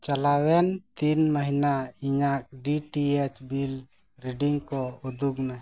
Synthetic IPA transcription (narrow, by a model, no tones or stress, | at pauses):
t͡ʃalawɛnt̪inməɦinaiɲak̚ɖiʈiet͡ʃbil | ɾiɖiŋkɔud̪ʱukna